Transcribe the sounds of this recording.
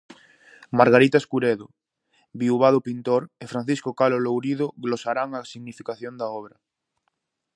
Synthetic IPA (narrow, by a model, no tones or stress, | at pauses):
maɾɣaɾit̪aeskuɾeðo | βiuβ̞aðopint̪oɾefɾanθiskokalolowɾiðoɣlosaɾaŋasiɣnifikaθjond̪aɔβɾɐ